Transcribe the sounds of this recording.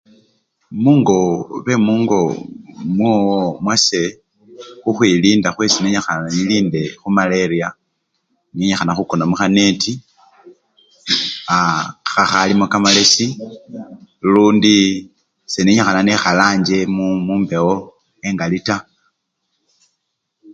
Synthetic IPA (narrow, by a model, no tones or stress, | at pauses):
muːŋɡo̞βe̞muːŋɡo̞mwoːwmwase̞ | xuxwiliːndaxwesineɲaxaaniliːnde̞xumaleɾia | neɲexanaxukonamuxaneti | axaxalimokamale̞si | luːndi | seneɲexananexalaːɲd͡ʒe̞mumuːmbe̞ɣo | eŋɡalita